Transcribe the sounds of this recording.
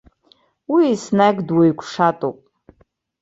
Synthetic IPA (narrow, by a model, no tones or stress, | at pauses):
wiːsnaɡdwajkʷʰʂatʼopʼ